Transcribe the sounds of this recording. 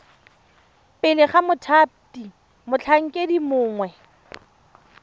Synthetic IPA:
pʼɪlɪχamʊtʰap̚ti | mʊt͡ɬʰaŋ̩kʼedimʊːŋwɛ

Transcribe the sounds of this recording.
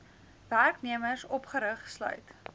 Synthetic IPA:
værkniəmərsɔpχəɾəχslœ̰ɥt

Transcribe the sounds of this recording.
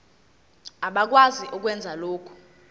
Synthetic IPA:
aɓak̬waziʔuk̬wɛnd͡zʱaloːkʰu̥

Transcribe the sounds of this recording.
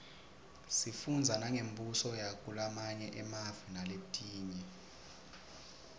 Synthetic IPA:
sifund͡zʱanaŋʱembʱusɔjakʼulamaɲɛʔɛmavinaleɓutʼiːɲɛ

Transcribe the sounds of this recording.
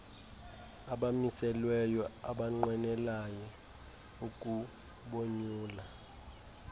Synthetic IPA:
aɓamisɛlwɛjɔaɓaŋ͡ǃwɛnɛlajɔ | ukʼu | ɓoɲuːla

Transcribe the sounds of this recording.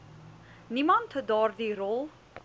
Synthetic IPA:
nimãnthədɔːrðiɾɔlˠ

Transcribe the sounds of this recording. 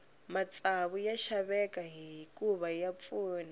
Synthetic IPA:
mat͡sʼaβujaʃaβɛkaɦiɦikʼuβajap̪fuːna

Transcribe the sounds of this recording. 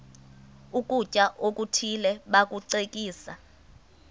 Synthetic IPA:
uk̬ʼut͡ʃʼaʔok̬ʼutʰilɛɓak̬ʼuǀek̬ʼiːsa

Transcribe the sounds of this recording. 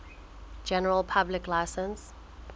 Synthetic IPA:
d͡ʒɛnəɹəlˠpʰablɪklaɪsə̃ns

